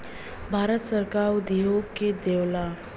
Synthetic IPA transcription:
bʱaːɾət̪səɾkaːɾud̪ijoked̪eːwla

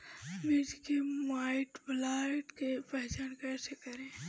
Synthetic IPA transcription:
mɪd͡ʒkemaːɪʈblaʈkepɛɦt͡ʃaːnkɛːsekəɾẽː

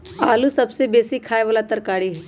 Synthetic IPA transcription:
aːlusɐbsebeːsikʰaːeʋaːlat̪ɐɾkaːɽiɦɛː

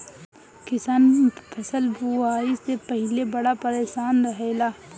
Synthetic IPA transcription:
kɪsaːnpʰɐsəlbuaːisepəɦɪlebɐɽapəɾeːʃaːnɾɐɦeːlaː

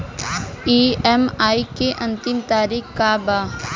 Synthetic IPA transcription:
iːɛmaːikeʔɐ̃nt̪ɪmt̪aːɾiːxkaːbaː

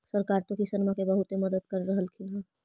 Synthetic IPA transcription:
səɾkaːɾt̪õkisənmakebəɦʊt̪emɐd̪əd̪̚kəɾːəɦəlkʰina

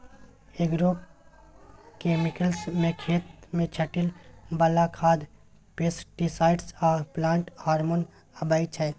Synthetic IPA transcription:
eɡɾoː | keːmɪkəlsmẽkʰeːt̪mẽt͡ʃʰəʈɪlbɐlakʰaːd̪ | pesʈisaːɪʈsaːplãːɳʈhaːɾmon | ɐbaːit͡ʃʰə

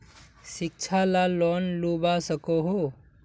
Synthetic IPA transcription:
sik̚t͡ʃʰalalɔnlubasəkoɦo

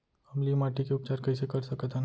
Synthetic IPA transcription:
ɐmlimaːʈikeʊp̚t͡ʃaːɾkɐisekɐɾsɐkət̪ʰɛn

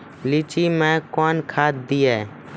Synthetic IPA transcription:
lɪt͡ʃiːmɛ̃ːkoːnkʰaːt̪̚d̪iːɛː

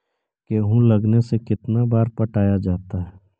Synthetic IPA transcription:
keɦũlɐɡnesekɪt̪nabaːɾpɐʈʰaːjad͡ʒaːt̪aɦɛː

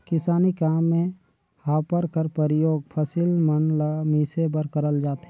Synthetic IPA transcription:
kɪsaːnikaːmːẽ | haːpəɾkəɾpəɾɪjoːɡ̚pʰəsilmənləmiːsebəɾkəɾəld͡ʒaːt̪e

